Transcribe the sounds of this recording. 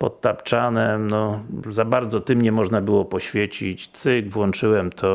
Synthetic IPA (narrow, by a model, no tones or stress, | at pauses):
pɔ̰t̪̚t̪apt͡ʂanɛmnɔzabaɾd̪zɔt̪ɘmɲɛmɔʐnabɘwɔpɔɕfʲjɛt͡ɕit͡ɕt̪sɘɡvwɔnt͡ʂɘwɛmt̪ʰɔ